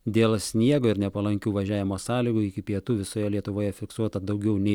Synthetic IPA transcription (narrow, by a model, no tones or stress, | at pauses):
d̪ʲeːlˠsʲnʲiɛɡoːɪɾnʲɛpɐlˠɐŋʲkʲuːʋɐʒʲæːʋʲɪmoːsɑːlʲiːɡuːɪkʲɪpʲiɛt̪uːʋʲɪsoːjɛlʲiɛt̪ʊʋoːjɛfʲɪksuɔt̪ɐd̪ɐʊɡʲɛʊnʲɛɪ